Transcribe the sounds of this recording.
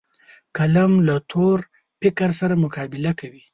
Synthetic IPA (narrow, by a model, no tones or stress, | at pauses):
kalamlat̪ʰoɾ | pɪkaɾsaɾamʊkɑːbɪlakawi